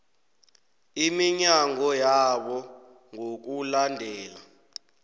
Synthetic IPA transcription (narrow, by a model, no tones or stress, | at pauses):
imiɲaŋɔjaɓɔ | ŋok̬ulandʱɛːla